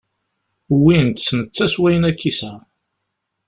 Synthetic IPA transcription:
wint̪snət͡sːæswæjənækːisæ

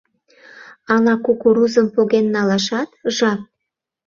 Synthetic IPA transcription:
ɑlɑkukuɾuzəmpoɣenːɑlɑʃɑt̪ʒɑk̚

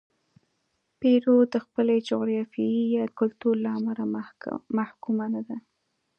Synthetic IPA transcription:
peɾod̪əxpəled͡ʒʊɣɾjɑfiijɑd̪kʊlt̪uɾlaamalamahkumanad̪a

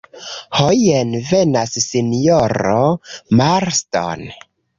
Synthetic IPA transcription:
hojenve̞nasːinjoɾomaɾsto̰n

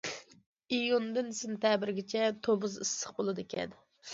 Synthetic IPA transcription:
ijund̪ɨnɪsɪnɨt̪ʰɛbɪɾɡʲɪt͡ʃʰɛt̪ʰobuzɨsːəχbolˠɨd̪ɨkʲɛ̰n

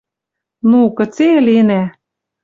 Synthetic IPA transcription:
nukɤ̆t͡selenæ

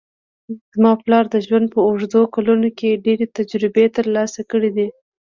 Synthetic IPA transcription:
zmɑplɑɾd̪əʒwand̪̚pəʊʐd̪okalunokeɖeɾet̪ad͡ʒɾɪbet̪əɾlɑsakəɽid̪i

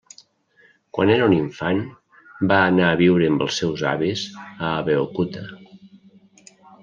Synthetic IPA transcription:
kwa̰neɾuniɱfan | baːnaːβiwɾəːmbəlˠsːɛwza̰βizəːβeokut̪ə

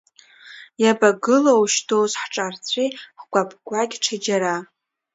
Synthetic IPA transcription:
jabaɡɨlowʃtʰozħʈ͡ʂʼart͡sʷʰiχɡʷapʰʼkʷʼakʲʈ͡ʂʰad͡ʒaɾa

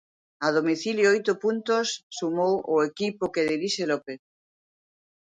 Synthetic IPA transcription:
aðomiθiljoojt̪opunt̪osːumowʔoekipokeðiɾiʃelope

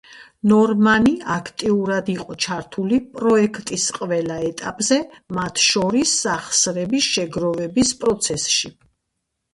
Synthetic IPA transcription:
nɔɾmaniakʰt̪ʼiuɾad̪iqʼɔt͡ʃʰaɾt̪ʰulipʼɾɔɛkʰt̪ʼisqʼvɛlaɛt̪ʼapʼzɛmat̪ʰʃɔɾisːaχsɾɛbisʃɛɡɾɔvɛbispʼɾɔt̪sʰɛsʃi

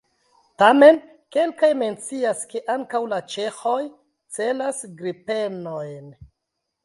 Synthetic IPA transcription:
tame̞n | ke̞lkajme̞nt͡siaske̞ʔaŋkawlat͡ʃe̞xo̞j | t͡se̞lasɡɾipe̞nojn

